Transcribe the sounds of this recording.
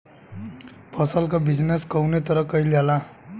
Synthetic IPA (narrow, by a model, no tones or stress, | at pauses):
pʰʌsʌlkobid͡zneskʌwnet̪ʌɾʌkʌilala